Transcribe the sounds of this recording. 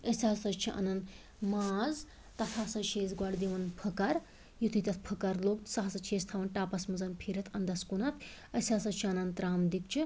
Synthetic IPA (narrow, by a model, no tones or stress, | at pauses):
əsʲaːsɐt͡ʃt͡ʃʰiʔɐ̰nɐn | maːz | t̪ɐt̪ʰaːsɐt͡ʃʰeːzɡwaɽd̪iʋɐnpʰəkɐɾ | jut̪ʰit̪ʲɐt̪ʰpʰɐkɐɾloːkt̪saɦɐsɐt͡ʃʰiest̪ʰaʋɐnʈaːpɐsmɐzɐnpʰiːɾɐt̪ʰɐnd̪ɐskunɐt̪ʰ | ɐsʲaːsɐt͡ʃʰiɐnɐnt̪ɾaːmd̪ikt͡ʃʰi